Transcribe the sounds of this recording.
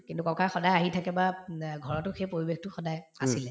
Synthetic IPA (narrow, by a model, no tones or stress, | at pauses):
kintʊkɔkaxɔdajaɦitʰakɛbaɡʱɔɹɔtʊxejpoɹibextʊxɔdajasilɛ